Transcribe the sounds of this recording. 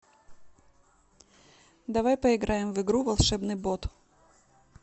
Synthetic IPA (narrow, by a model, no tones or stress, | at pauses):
d̪ɐvajpɐɪɡɾajɪmvɨɡɾuvɐlˠʂɛbnɨbot̪